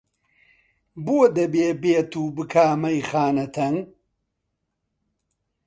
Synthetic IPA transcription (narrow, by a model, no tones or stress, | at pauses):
buɐd̪ebeːbeːt̪uːbɨkʰaːmɐjχaːnɐt̪ʰɐŋ